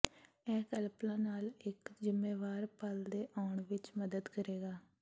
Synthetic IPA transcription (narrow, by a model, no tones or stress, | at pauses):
ɛːkəlplãːnaːlɪkzɪmːeːʋaːɾpəld̪eːʔaːɳʋɪt͡ʃməd̪əd̪kəɾeːɡaː